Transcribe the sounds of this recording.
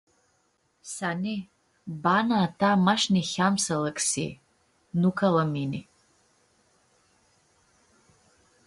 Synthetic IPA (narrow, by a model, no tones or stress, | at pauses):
sani | banaːtʰamaʂnixʲamsalakʼsḭ | nukʰalamini